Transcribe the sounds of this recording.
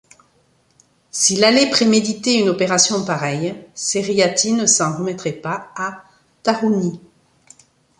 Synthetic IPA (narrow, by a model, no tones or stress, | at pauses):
silalɛpχemed̪it̪eynɔpeʁasjɔ̃paʁɛjseʁiat̪inəsɑ̃ʁəmɛt̪χɛpaa | t̪aʁuni